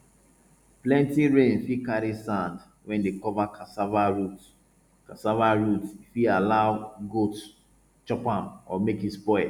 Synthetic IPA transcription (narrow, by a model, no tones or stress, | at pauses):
plɛ̃ntiɹẽnfikaɾisãnd | wɛ̃ndekɔvakʰasavaɹut | kasavaɹutifialaʊɡot | t͡ʃɔpãmɔmekispɔɪ